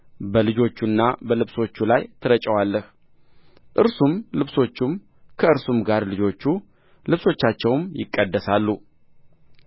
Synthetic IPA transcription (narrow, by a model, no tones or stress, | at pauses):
bəlɨd͡ʒo̞t͡ʃːunːabəlɨβso̞t͡ʃːulajt̪ʰɨɾət͡ʃʼəwalːəh | ʔɨɾsumlɨβso̞t͡ʃːum | kʰəɨɾsumɡaɾlɨd͡ʒo̞t͡ʃːu | lɨβso̞t͡ʃːat͡ʃːɛwmjɪ̰kʼːəd̪ːəsalːu